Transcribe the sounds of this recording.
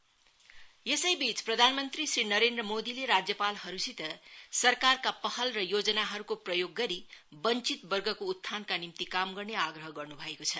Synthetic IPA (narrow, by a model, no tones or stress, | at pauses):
jesʌjbit͡sprʌd̪ʱanmʌnt̪risrinʌɾend̪rʌmod̪ileɾad͡zjʌpalhʌɾusit̪ʌsʌrkarkapʌhʌlrʌjod͡zʌnaɦʌɾukoprʌjoɡːʌɾibʌnt͡sit̪bʌrɡʱʌkout̪ʰːankanimt̪ikamɡʌrneaɡrʌɦʌɡʌrnubʱʌekot͡sʰʌ